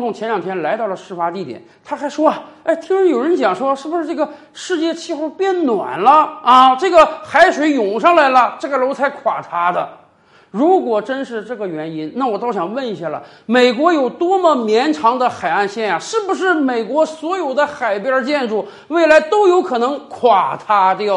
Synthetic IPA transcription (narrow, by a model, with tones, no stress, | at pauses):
ŋt̪ʊ˧˩ŋt͡ɕʰjɛ˧˥nljɑ˨˩ŋt̪ʰjɛ˥nla˧˥ɪt̪ɑ˥˩ʊlə˩ʂɻ̩˥˩fa˥t̪i˥˩t̪jɛ̰˨˩˦nt̪ʰa˥xa˧˥ɪʂwɔ˥ɐ˨e˥˩ɪt̪ʰi˥ŋɻə˧˥njo˨˩ʊɻə˧˥nt͡ɕjɑ˨˩ŋʂwɔ˥˧ʂɻ̩˥˩bu˧ʂɻ̩˥˧ʈ͡ʂɤ˥˩ɡə˩ | ʂɻ̩˥˧t͡ɕjɛ˥˧t͡ɕʰi˥˧xu˥˧pjɛ˥˩nnwa̰˨˩nlə˦ɐ˥˧ʈ͡ʂɤ˥˩ɡə˩xa˧˥ɪʂwe˧˥ɪjʊ˨˩ŋʂɑ˥˧ŋla˧˥ɪlə˨ʈ͡ʂɤ˥˩ɡə˩lo˧˥ʊt͡sʰa˧˥ɪkʰwa˨˩ʈ͡ʂʰa˧˥d̪ə˧ | ɻu˧˥kwɔ˨˩ʈ͡ʂə˥nʂɻ̩˥˧ʈ͡ʂɤ˥˩ɡə˩ɥɛ˧˥ni˥nna˥˩wɔ˨˩t̪ɑ˥˩ʊɕjɑ˨˩ŋwə˥˩ni˧˥ɕja˥˩lə̰˩ | me˨˩ɪkwɔ˧˥jo˨˩ʊt̪wɔ˥mə˨mjɛ˧˥nʈ͡ʂʰɑ˧˥ŋd̪ə˧xa˨˩ɪa˥˧nɕjɛ˥˩nja˩ʂɻ̩˥˩bu˩ʂ̬ɻ̩˥˩me˨˩ɪkwɔ˧˥swɔ˧˥jo˨˩ʊd̪ə˦xa˨˩ɪpjə˞˥˧˥t͡ɕjɛ˥˧nʈ͡ʂu˥˩ | we˥˩ɪla˧˥ɪt̪o˥ʊjo˧˥ʊkʰɤ˨˩nɤ˧˥ŋkʰwa˨˩t̪ʰa˥t̪j